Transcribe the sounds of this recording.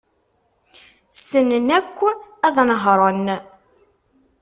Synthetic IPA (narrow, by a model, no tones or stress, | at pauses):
sənənækʷːæðnəɦɾˤən